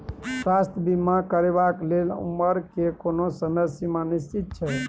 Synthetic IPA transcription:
sast̪ʰbimakəɾebaklelṵməɾkekonosəməsimanist͡ʃit̪̚t͡ʃʰɛ

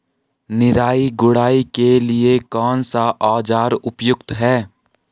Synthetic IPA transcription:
nɪɾaːiɡʊɽaːikeliekɔːnsaʔaːd͡ʒaːɾʊpjʊk̚t̪ɦɛː

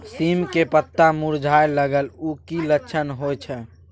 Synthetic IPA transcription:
simkepət̪ːamuɾd͡ʒʱajləɡəlukilətːʃʰənɦojt͡ʃʰɛ

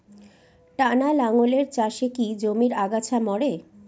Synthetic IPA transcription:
ʈanalaŋoleɾt͡ɕaʃekid͡ʑomiɾaɡat͡ɕʰamɔɽe

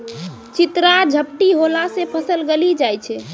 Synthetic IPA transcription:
t͡ʃit̪ɾad͡ʒʱəp̚ʈiɦolasẽpʰəsəlɡelid͡ʒajt͡ʃʰɛ

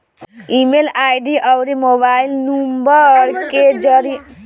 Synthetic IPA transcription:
imelajɖiʔəwɾimobailnumbəɾked͡ʒəɾi

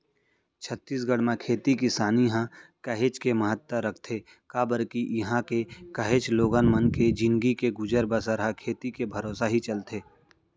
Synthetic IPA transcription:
t͡ʃʰət̪ːiːs̬ɡəɽmẽkʰeːt̪ikisaːniɦãkəɦeːt͡ʃkeməɦət̪ːəɾəkʰt̪ʰe | kabəɾkiʔɦãkekəɦeːt͡ʃloːɡənmənked͡ʒɪ̃nɡikeɡʊd͡ʒəɾbəsəɾɦakʰeːt̪ikebʱəɾoːsaɦit͡ʃəlt̪eː

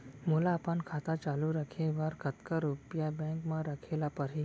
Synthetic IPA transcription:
molaːpankʰaːt̪at͡ʃaːluɾəkʰeʋaɾkət̪kəɾupjabɛ̃kmãɾəkʰelapəɾɦi

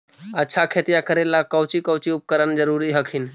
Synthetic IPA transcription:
ətːʃʰakʰeːt̪ijakəɾelakəwt͡ʃikəʊt͡ʃiʊp̚kəɾənd͡ʒəɾuɾiɦəkʰɪn

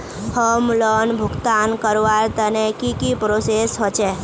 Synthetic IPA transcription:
həmlənbʱʊkt̪ankəɾʋaɾt̪ənekikipɾosesɦot͡ʃe

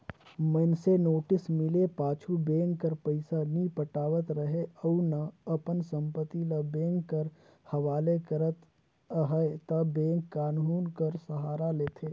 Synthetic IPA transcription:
mənsenoːʈɪsmɪlepaːt͡ʃʰubẽːŋɡkəɾpəɪsanipəʈaːʋət̪ɾəɦeəwnɐɐpənsə̃mpət̪ilɐbẽːŋɡkːəɾ | hɐʋaːlekəɾət̪ | əɦət̪ɐbẽːŋkːaːnɦuːnkəɾsəɦaːɾaleːt̪ʰeː

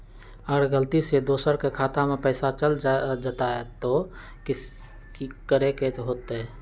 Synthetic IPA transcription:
əɡəɾɡəlt̪ised̪oːsəɾkekʰaːt̪amẽpɛːsat͡ʃəld͡ʒat̪aɦɛt̪o | kɪs | kikəɾekeɦoːt̪ɦɛː

